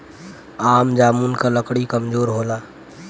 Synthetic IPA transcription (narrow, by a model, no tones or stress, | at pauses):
aːmd͡ʒaːmuːnkaləkɽikəmd͡ʒoːɾɦoːlaː